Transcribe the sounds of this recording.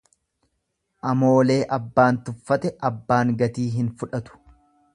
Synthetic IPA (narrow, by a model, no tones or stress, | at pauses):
ʔɐmoːle̞ːʔɐbːaːnt̪ʊfːɐt̪ɛʔɐbːaːŋɡɐt̪iːɦɪnfʊᶑɐt̪ʊ̥